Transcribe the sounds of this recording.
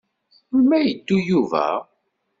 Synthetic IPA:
ʊlmæjəd̪ːujuvæ̰

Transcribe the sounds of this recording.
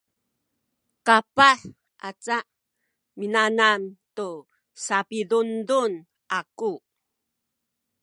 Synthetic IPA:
kapaħ | a̰t͡saʔ | minanantu | sapidundun | aku

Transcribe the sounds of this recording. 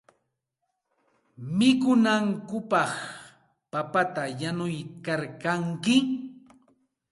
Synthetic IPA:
mɪkʊnaŋkʊpɑχ | papat̪ajanʊjkaɾkaŋkɪ

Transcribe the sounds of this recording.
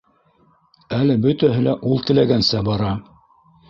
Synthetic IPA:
ælɘbɵt̪æɦɘlæʔulˠt̪ɘ̆læɡænsæbɑɾɑ

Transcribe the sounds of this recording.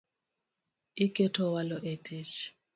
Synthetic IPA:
ikʼɛtʰɔwalɔʔetʰʼit͡ʃ

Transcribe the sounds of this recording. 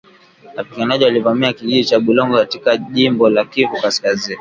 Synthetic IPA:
wapiɠanaʄiwalivamiakiʄiɗit͡ʃaɓulɔŋɡɔkatikaʄimbɔlakivukaskazini

